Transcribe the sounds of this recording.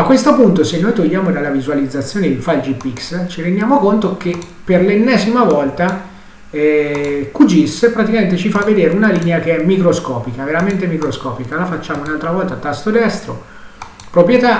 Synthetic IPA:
akːwest̪opunt̪osenːojt̪oʎːjaːmod̪alːavizualid̪zːat̪sːjoːned̪elfald͡ʒipikst͡ʃiɾend̪jaːmokont̪oke | pːerlenːɛːzimavɔlt̪a | ɛkud͡ʒispɾat̪ikament̪̬et͡ʃifavːed̪eːɾeunalineak̟eɛmːikɾoskɔːpikaveɾament̪emikɾoskɔːpikalafat͡ʃːaːmounalt̪ɾavɔlt̪at̪ast̪od̪ɛst̪ɾo | pɾopɾjet̪a

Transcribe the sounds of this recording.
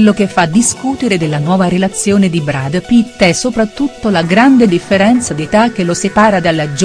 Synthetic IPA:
lːokefːad̪ːiskut̪eɾed̪elːanwɔːvaɾelat̪sːjoːned̪ibɾad̪pit̪ːɛsopɾat̪ːut̪ːolaɡɾand̪ed̪ifːeɾɛnt̪sad̪et̪ak̟ːelosepaːɾad̪alːad͡ʒ

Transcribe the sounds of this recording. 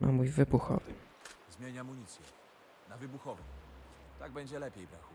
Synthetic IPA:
nʔa̰mujvɘbuxɔ̰vɘ | zmʲjeɲamuɲit̪sʲjɛ̰ | navɘbuxɔvɛt̪aɡ̚bɛɲd͡ʑɛlɛpʲjejbɾaxu

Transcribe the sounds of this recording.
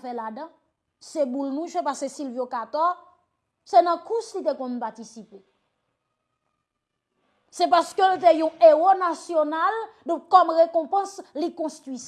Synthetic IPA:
fɛladʌ̃ | sebulnũʒepasesilvjokat̪ɔ | sɛnɐ̃kuslit̪̬ekɔ̃mpatisipe | sɛpaskølt̪̬ejũeʁonasjonald̪ɔ̃kɔmʁekɔ̃pɐ̃slikɔ̃st̪ʁwis

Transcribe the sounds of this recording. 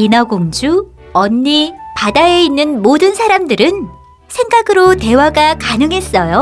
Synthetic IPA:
inaɡoŋd͡ʑu | ʌɲːipadae̞inːɯnmodɯnsʰaɾamdɯɾɯn | sʰeŋɡaɡɯɾote̞waɡakanɯŋɦe̞s͈ʌjo

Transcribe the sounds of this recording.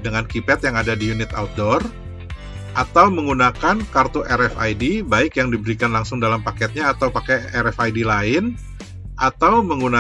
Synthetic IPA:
dəŋankipɛt̪jaŋadadijunɪt̪aut̪̚dɔr | ʔat̪awməŋɡunakankart̪oʔɛɾɛfa̰jdibaɪkjaŋdibəɾikanlaŋsʊŋdalampakɛt̪̚ɲaːt̪awpakɛɛɾɛfajdilaɪn | ʔat̪awməŋɡuna

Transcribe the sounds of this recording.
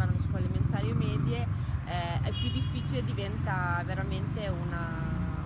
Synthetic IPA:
aɾonoskaleliment̪aːɾjomɛːd̪je | ɛɛ̰pːjud̪ːifːiːt͡ʃiled̪ivɛnt̪aveɾament̪euna

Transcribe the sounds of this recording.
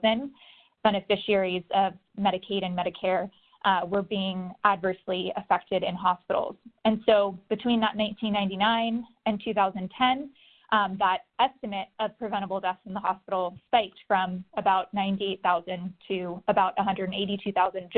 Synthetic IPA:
ɨ̃n | b̥ɛñɨfɪʃiɛɹizʌv | mɛɾɨkʰeɪɾɨ̃nmɛɾɨkʰɛɹ | wə˞biɪ̃ŋʔədvɜ˞sliɨfɛk̚tɨɾɨ̃nɦɑspɪ̰ɾl̩ˠz̥ɨ̃nsoʊb̥ɨtʰw̥ĩnðəʔⁿnãɪ̃ntʰĩnːãɪ̃ntinãɪ̃n | ɨ̃ntʰʉθaʊzɨ̃ntʰɛ̃n | ʔðəɾɛstɨmɨɾʌv̥pʰɹ̥ɨvɛ̃ɾ̃əbl̩ˠdɛθsn̩ðəɦɑ̰spɪɾl̩ˠspaɪp̚tfɹʌ̃mɨbaʊtⁿnãɪ̃ntieɪt̪̚θaʊzɨ̃ntʰɨəbaʊɾʔəɦʌ̃ndə˞dn̩eɪɾitʰʉθaʊzɨ̃nd͡ʒ

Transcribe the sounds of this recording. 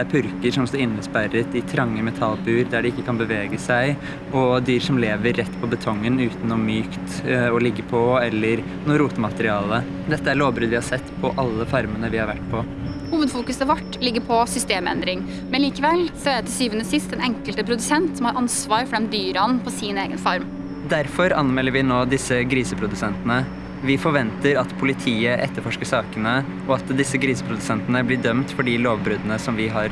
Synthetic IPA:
æɾpʰʏɾkəɾʂɔmst̪ɔɾɪnːəspæɾət̪ɪt̪ʰɾɑŋːəmɛt̪ʰɑlbʉːɾd̪æɖɛɪkːəkʰɑnbəʋeːɡəsæɪ | ɔd̪yːɾʂɔmleːʋəɾːɛt̪ːpʰɔbət̪ʰɔŋːənʉːt̪nɔmyːkt̪ɔlɪɡːəpʰɔɛlːəɾ | nuːɾuːt̪əmɑt̪əɾɪɑːlə | d̪ɛt̪ːəæɾɭoːbɾʉːd̪ʋɪhɑɾsɛt̪ːpʰɔʔɑlːəfɑɾmənəʋɪhɑɾʋæʈːpʰɔ | huːʋəd̪fuːkʉsɑʋɑʈːlɪɡːəɾpʰɔsʏst̪eːmɛ̰nd̪ɾɪŋ | mɛnliːkəʋɛlsɔæɾæt̪ʰɪsyːʋənəsɪst̪ɛnɛŋkəlt̪əpʰɾʊd̪ʉsɛnt̪sɔmhɑɾʔɑnsʋɑːɾfɔɖɛmd̪yːɾɑnpʰɔsiːneːɡənfɑɾm | d̪æɾfɔɾɑnmɛːləɾʋɪnoːd̪ɪsəɡɾiːsəpʰɾʊd̪ʉsɛnt̪ənə | ʋɪfɔɾʋɛnt̪əɾɑt̪pʰʊlɪt̪ʰiːəʔɛt̪ːəɾfɔʂkəʂɑːkənə | ɔɑt̪d̪ɪsːəɡɾiːsəpʰɾʊd̪ʉsɛnt̪ənəblɪɖœmt̪fɔɖɪloːʋbɾʉːd̪ənəsɔmʋɪɦɑɾ

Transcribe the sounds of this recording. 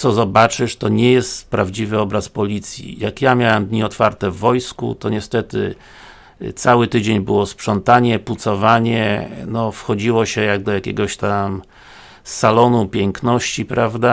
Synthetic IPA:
t̪sɔzɔbat͡ʂɘʂt̪ɔɲɛjɛst̪pɾavd͡ʑivɘɔbɾaspɔlʲit̪sʲjḭjakjamʲjawɛmd̪ɲiɔt̪faɾt̪ɛvːɔjskṵt̪ɔɲɛst̪ɛt̪ɘ̰ | t̪sawɘt̪ɘd͡ʑeɲbɘwɔspʂɔnt̪aɲɛput̪sɔvaɲɛnɔfxɔd͡ʑiwɔɕɛjaɡ̚d̪ɔjakʲɛ̰ɡɔɕt̪am | sːalɔnupʲjɛŋknɔɕt͡ɕipɾʔavd̪a

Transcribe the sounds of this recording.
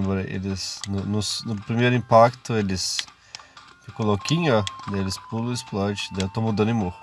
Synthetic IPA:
bɔɾɐḛlɪsnʊnʊsnʊpɾimejɾʊĩpakt̪ʊelɪs | kɪkolɔkĩɲɐd̪elɪspulʊɪsplɔɾt͡ʃɪ̥d̪et̪omud̪ɐ̃nd̪ɪ̃mohʊ

